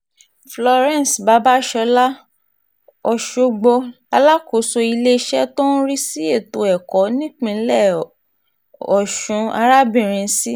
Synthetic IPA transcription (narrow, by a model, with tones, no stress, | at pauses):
flɔ˧ɾɛ̃˦˨n˨sba˨˦ba˦ʃɔ˧la˦ | ɔ˧ʃo˦ɡ͡bo˧ | a˧la˦ko˨˦so˧i˧le˦ʃɛ˦to˦n̩˦ɾi˦si˦e˦˨to˨ɛ˨kɔ˨˦nĩ˦k͡pĩ˧˦lɛ˦˨ | ɔ˨ʃũ˨˧a̰˧ɾa˦bĩ˦˨ɾ̃ĩ˧˦si˦